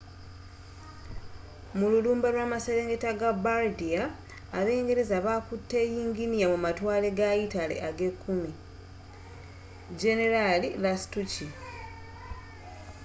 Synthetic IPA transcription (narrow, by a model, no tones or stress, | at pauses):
mululuːmbalwaːmaseɾeːŋɡetaɡabaldiaː | βe̞ːŋɡe̞ɾe̞zaβaːkutːe̞ːjiːŋɡinijamumatwaːle̞ɡajitale̞̰ʔaɡe̞kːumi | d͡ʒe̞ne̞ɾalilastuci